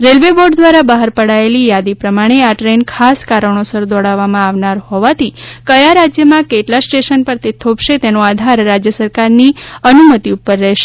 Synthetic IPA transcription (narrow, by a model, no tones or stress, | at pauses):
ɾelʋeboɖd̪ʋaɾabaɦəɾpəɽaelijad̪ipɾəmaɽ̃eaʈɾenkʰaskaɾəɳ̃osəɾd̪ɔɽaʋːamãaʋnaɾhɔʋat̪ʰikəjaɾad͡ʒjəmãkeʈlasʈeʃənpəɾt̪et̪ʰobʃet̪enoad̪ʱaɾːad͡ʒjəsəɾkaɾniənumət̪iupːəɾːɛɦʃe̥